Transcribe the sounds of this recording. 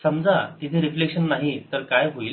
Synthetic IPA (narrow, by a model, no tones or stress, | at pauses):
səmd͡zat̪it̪ʰeɾiflekʂənːaɦit̪əɾkajɦoil